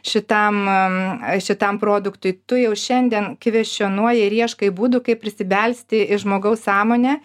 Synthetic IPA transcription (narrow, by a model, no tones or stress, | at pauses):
ʃʲɪt̪ɐm | ʃʲɪt̪ɐmpɾoːd̪ʊkt̪ʊjt̪ʊjɛʊʃʲɛnʲd̪ʲiɛnkʋʲɛʃʲonuɔjɪɾʲiɛʃkɐɪbuːd̪ʊkɐɪp̚ːʲɾʲɪsʲɪbʲɛlʲsʲt̪ʲɪɪʒmoːɡɐʊssɑːmoːnʲɛ